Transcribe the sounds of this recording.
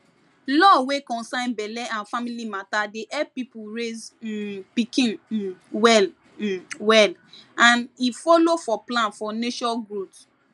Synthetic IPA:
lɔwekɔ̃nsãɪ̃nbɛlɛʔãnfamilimatadeʔɛp̚pipuɹezpikĩnwɛl | wɛlãnifɔlofɔplãnfɔneʃɔɡɹot

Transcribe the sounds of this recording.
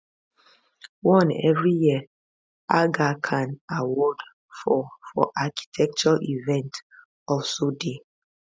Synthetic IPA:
wɔ̃nɛ̰vɹijiə | ʔaɡakʰãnawɔd | fɔfɔ̰ʔaki̥tʰɛk̚t͡ʃɔʔivɛ̃nt | ɔfsode

